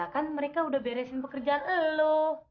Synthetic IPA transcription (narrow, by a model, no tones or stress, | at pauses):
akanməɾekaudahbeɾɛsɪnpəkərd͡ʒaanəlo